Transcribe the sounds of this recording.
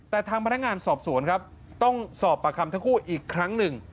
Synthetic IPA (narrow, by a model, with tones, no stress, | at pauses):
t̪ɛː˨˩t̪ʰaː˧ŋpa˧na˥ŋaː˧nsɔː˨˩p̚su˨˩˦ənkʰɾa˦˥p̚ | t̪ɔ˥˩ŋsɔː˨˩pːa˧˩kʰa˧mt̪ʰa˥˩kʰuː˥˩ʔiː˨˩kʰːɾa˦˥ŋnɯ˨˩ŋ